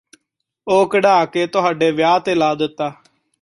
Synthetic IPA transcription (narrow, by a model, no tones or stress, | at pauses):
oːkəɖaːkeːt̪ʊɦaːɖeːʋjaːt̪eːlaːd̪ɪt̪ːaː